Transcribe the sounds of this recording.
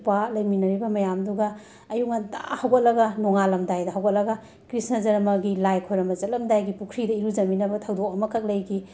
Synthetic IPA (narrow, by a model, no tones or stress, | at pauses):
palɐjminɐɾibɐmɐjamduɡɐː | juk̚ɐnta̰hɐwɡɐt̚lɐɡɐnoŋalɐmdajdɐɦɐwɡɐt̚lɐɡɐ | kɾisnɐzɐɾmɐɡilajkʰojɾɐmɐzɐt̚lɐmdajɡipukʰɾidɐiɾud͡ʒɐminɐbɐtʰɐwdok̚ɐmɐkʰɐk̚lɐjɡi